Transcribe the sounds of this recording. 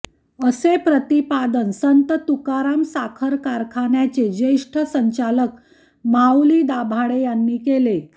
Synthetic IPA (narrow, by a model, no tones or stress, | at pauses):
əsepɾət̪ipad̪ənsənt̪ət̪ukaɾamsakʰəɾkaɾkʰaɳjat͡sed͡ʑeʂʈʰəsəɲt͡ɕalək | mawliːd̪abʱaɽejanːiːkele